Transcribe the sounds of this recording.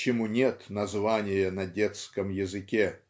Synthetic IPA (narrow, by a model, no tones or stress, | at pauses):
t͡ɕɪmunʲet̪nɐzvanʲɪjənɐdʲet̪skəmjɪzɨkʲe